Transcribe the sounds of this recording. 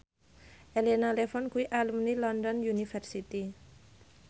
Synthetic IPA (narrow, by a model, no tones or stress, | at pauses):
ʔelenalefɔnkuiʔalumnilɔndɔnjunifɛrsit̪i